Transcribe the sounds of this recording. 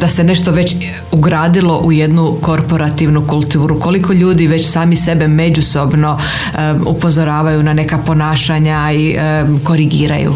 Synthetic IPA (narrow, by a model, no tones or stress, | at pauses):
d̪̥ase̞ne̞ʃt̪o̞ʋe̞t͡ɕ | uɡɾaːd̪ilo̞ʔuje̞d̪nuko̞ɾpo̞ɾat̪iʋnukulˠt̪uːɾuko̞liko̞ʎuːd̪iʋe̞t͡ɕsaːmise̞be̞me̞d͡ʑuso̞bno̞ | ṵpo̞zo̞ɾaːʋajunane̞kapo̞naːʃaɲa | i | ko̞ɾiɡiːɾa̰jṵ